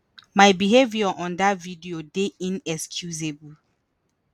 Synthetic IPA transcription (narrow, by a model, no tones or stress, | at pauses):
majbiɦeviɔʔɔ̃ndatvidiodeʔĩnɛkskʰjuzebu